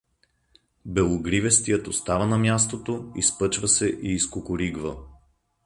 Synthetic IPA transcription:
bɛlˠoɡɾivɛst̪ijət̪ost̪avɐnɐmʲjast̪ot̪oispɤt͡ʃvɐsɛʔiːskokʊɾiɡvə

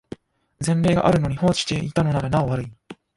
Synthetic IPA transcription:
zẽ̞nɾe̞ːɡa̰ʔaɾɯ̟no̞ɲ̟iho̞ːt͡ɕi̥t̪e̞ʔit̪ano̞naɾanaoβaɾɯ̟i

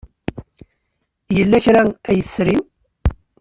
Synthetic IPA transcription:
jəlːæçɾææjəθəsɾim

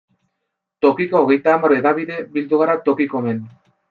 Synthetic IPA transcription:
t̪o̞kikoːɣe̞jt̪aːmaɾoe̞ðaβiðe̞bild̪uɣ̞aɾat̪o̞kiko̞me̞n

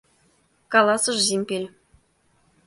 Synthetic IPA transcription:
kɑlˠɑsɤ̆ʐzʲemʲpʲelʲ

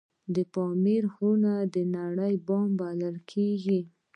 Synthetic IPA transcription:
d̪əpɑmeɾhunad̪ənaɽəjbɑmbaləlkʰeɡi

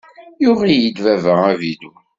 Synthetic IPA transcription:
jʊʁijid̪vævæævid̪u

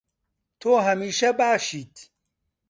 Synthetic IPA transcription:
t̪ʰoːɦɐmiːʃɐbaːʃiːt̪ʰ

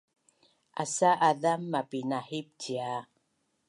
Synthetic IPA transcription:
a̰saʔaðamːapinahip̚tia

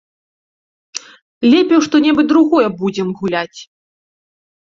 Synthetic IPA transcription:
lʲɛpʲɛwʂt̪ɔnʲɛbɨd̪ɾuɣɔjɛbud͡zʲɛmɣulʲat͡sʲ

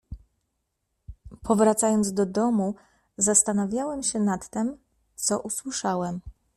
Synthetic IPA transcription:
pʰɔvɾat̪sajɔnd̪zd̪ɔd̪ɔmu | zast̪anavʲjawɛmɕɛnat̪ːɛm | t̪sɔʔuswɘʂawɛm

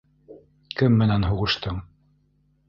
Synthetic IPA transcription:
kɘmːɘ̆nænɦuʁɤ̆ʃt̪ɤɴ

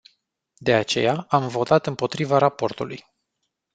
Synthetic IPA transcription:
d̪e̞at͡ʃe̞jaamvo̞t̪at̪ɨmpo̞t̪ɾivaɾapo̞rt̪uluj

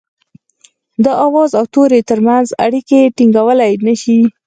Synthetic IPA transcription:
d̪əʔawɑzawt̪oɾet̪əɾmanza̰ɽikeʈiŋɡawəlajnəʃi

